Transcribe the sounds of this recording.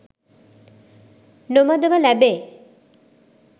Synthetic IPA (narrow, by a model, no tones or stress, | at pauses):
nomad̪ebalɛbe